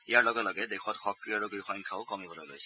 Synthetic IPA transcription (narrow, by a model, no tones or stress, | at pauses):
ijaɹlɔɡɔtlɔɡɛdekʰɔtxɔkɹiaɹukuixʰɔjnkʰaʊkɔmibʱɔlɔlo̰jsɛ̥